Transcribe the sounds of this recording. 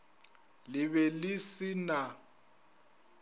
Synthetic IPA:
lɪβɛlɪsina

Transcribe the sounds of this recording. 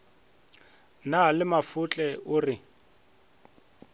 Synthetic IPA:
nalɪmafʊt͡ɬʼɛʊːrɪ

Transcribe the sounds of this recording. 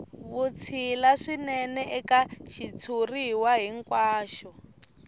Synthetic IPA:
βut͡sʰilaʂinɛnɛʔɛkaʃit͡sʰuriwaɦiŋkwaːʃɔ

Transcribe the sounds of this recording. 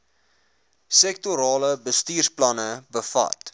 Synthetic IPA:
sɛktuɾɑːləbəstiːrsplɐnəbəfɐ̰t

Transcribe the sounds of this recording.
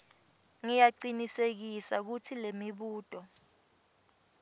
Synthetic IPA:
ŋijaǀinisek̬isak̬utʰilemiɓuːtʼɔ

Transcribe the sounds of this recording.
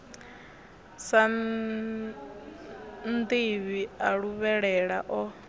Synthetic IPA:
sa | nd̪iβiaɺuβɛɺɛɺaʔɔ

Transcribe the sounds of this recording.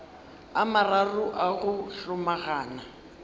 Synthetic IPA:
amararʊʔaɣʊɬʊmaɣaːna

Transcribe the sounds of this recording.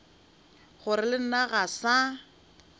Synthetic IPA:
χʊɾɪlɪn̩naɣasa

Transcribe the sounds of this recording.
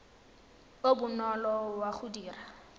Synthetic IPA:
obʊnɔlɔwaχudiːra

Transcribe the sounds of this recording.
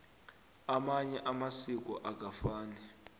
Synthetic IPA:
amaɲɛʔamasik̬ʼɔ̰ʔak̬ʼafaːnɛ

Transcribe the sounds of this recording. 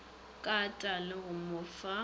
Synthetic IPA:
kʼatʼalɪɣʊmʊfa

